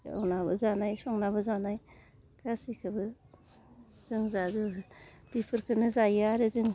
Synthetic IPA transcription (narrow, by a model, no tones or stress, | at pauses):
a̰wnabɯzanajsɔŋnabɯzanaj | kʰasikʰɯbɯ | z̥ɯŋzazu | b̥ipʰɯɾkʰɯnɯzajaɾɯzɯŋ